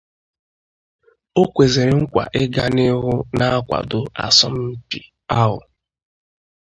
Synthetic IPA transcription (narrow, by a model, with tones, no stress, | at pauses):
o˦kʷe˨ze˨ɾe˨ŋ̩˦kʷa̰˨ʔe˦ɡa˦ne˦ɦʊ˦na˦a˦kʷa̰˨dʊ˦a̰˨sɔ˦m̩˦m̩˦pi˨ | a˦ɦʊ̰˨